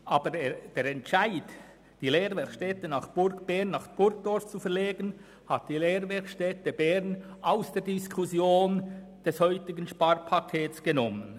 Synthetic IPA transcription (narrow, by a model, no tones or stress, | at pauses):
ʔɑːbəd̥eːɾɛntʃaɪd | d̥iːleːɾvɛʃtɛtənɑχb̥ʊɾkb̥ɛʁnːɑχb̥ʊɾk̚d̥ɔɹft͡sufɛɐɾleːɡən | hat̚d̥iːleːɾvɛkʃtɛtəbɛɾnʔaʊsd̥eːɐɾdiskʰusjoːnd̥ɛshɔʏtɪɡənʃpɑrpʰakʰeːt͡sɡ̥ənɔmən